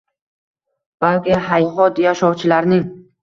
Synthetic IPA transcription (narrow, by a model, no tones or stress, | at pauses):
b̥alkʲɪhajɦɒt̪jaʃɒwt͡ʃʰɪlaɾnɪŋ